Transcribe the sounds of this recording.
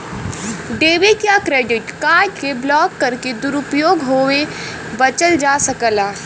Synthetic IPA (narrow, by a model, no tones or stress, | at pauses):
ɖeːʋikjakɾeːɖɪʈkaːɖkeblɔːkːɐɾked̪ʊɾʊpjoːɡɦoːe | bɐt͡ʃəld͡ʒaːsəkəlaː